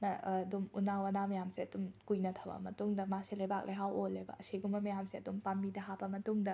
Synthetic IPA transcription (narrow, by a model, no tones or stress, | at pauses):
nɐdumunawɐnamɐjamseɐdumkujnɐt̪ʰɐbɐ̰mɐtuŋdɐmaselɐjbak̚lʔeɦawolːeba̰seɡumɐmɐjamseɐdumpamidɐɦabɐmɐtuŋdɐ